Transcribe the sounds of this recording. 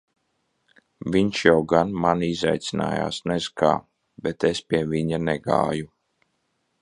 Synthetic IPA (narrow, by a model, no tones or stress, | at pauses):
vʲiɲʃjawɡanmaniza̰jt̪sina̰ːja̰ːsnɛzka̰ː | bɛt̪espʲiɛviɲanɛɡa̰ːju